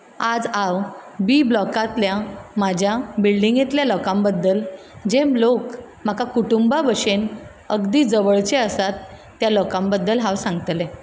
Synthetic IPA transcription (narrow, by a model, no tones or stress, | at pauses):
ad͡zawbiːblɔkat̪ljamad͡ʑʱjabilɖiŋɡjet̪ljalɔkãmbəd̪ːəl | d͡ʑemlok | m̤akakuʈumbabəʂen | əɡd̪iːd͡zəʋəɭt͡ɕeəsat̪ː | jalɔkambəd̪ːəlɦawsãŋɡt̪le